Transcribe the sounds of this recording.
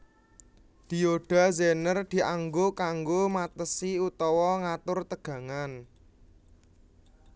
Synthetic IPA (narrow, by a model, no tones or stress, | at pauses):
d̪̥i̤oɖ̥a̤zenərd̪̥i̤ʔaŋɡokaŋɡomat̪əsiut̪ɔwɔŋat̪ʊrt̪əɡ̥ä̤ŋan